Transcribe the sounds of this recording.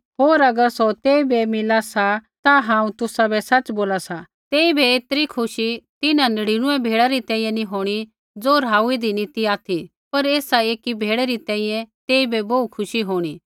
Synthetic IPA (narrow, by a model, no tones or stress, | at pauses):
ɦoːɾɐɡəɾsɔt̪eːibʱɛmɪlasat̪aɦãːũt̪ʊsabʱɛsɐt͡ʃboːlasa | t̪eːibʱɛeːt̪əɾikʰʊʃit̪ɪnãnɐɽiɽ̃ʊ̃ɛ̃bʱeːɽaɾit̪ɛ̃ːĩːjɛ̃nĩɦoːɽ̃i | d͡zoːɾaːuid̪inɪt̪iaːt̪ʰi | pɐɾeːsaeːkibʱeːɽɛɾit̪ɛ̃ːɪ̃jɛ̃t̪eːibʱɛboukʰʊʃiɦoːɽ̃i